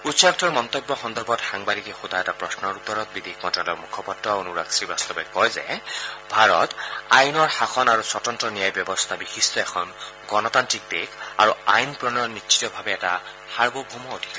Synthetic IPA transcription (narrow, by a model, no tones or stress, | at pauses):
utsaktɔɹmɔnt̪ɔbjɔxɔndɔɹbɔtxaŋbadikɛxudʱajɛtapɹɔsnɔɹut̪ːɔɹɔt̚bid̪ʱikmɔtɔlɔmukʰɔpɔtːɔaonuɹa̰ksibast̪ɔbɛkɔjzɛ̰bʱaɹɔtajnɔɹxaxʰɔnaɹuswɔtɔntɔnijajbjɔbɔst̪ʰabixistɔɛkʰɔn | ɡɔnɔtantik̚teka̰ɹuajnpɹɔnɔnitːt͡ʃi̥tɔbʱabɛːta | xaɹbobʱumɔodʱika